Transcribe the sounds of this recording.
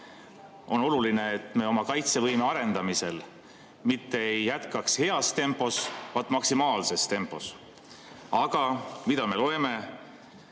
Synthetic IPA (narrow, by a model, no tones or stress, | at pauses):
o̞no̞luline̞ːt̪ːˑme̞o̞mɑkɑjt̪se̞vɤjmeɑɾe̞nd̪̥ɑmise̞l | mit̪ːe̞ejːæt̪kɑkshe̞ɑst̪e̞mpˑo̞svɑd̪̥mɑksimɑːlse̞st̪e̞mpːˑo̞s | ɑɡ̥ɑmid̪̥ɑme̞lo̞e̞me̞